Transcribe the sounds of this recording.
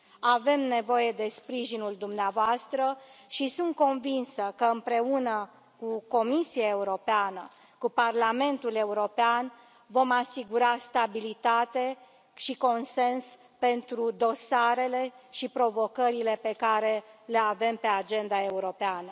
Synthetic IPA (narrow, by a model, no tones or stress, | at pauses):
ave̞mne̞vo̞je̞d̪e̞spɾiʒinuld̪umneavoast̪ɾəʃisunt̪̚ko̞nvinsəkəɨmpɾe̞unə | kuko̞misiae̞uɾo̞peanə | kuparlame̞nt̪ule̞uɾo̞pean | vo̞masiɡuɾast̪abilit̪at̪e | ʃiko̞nse̞ns | pe̞nt̪ɾud̪o̞saɾe̞le̞ʃipɾo̞vo̞kəɾile̞pe̞kaɾe̞le̞ave̞mpe̞ad͡ʒe̞nd̪ae̞uɾo̞peanə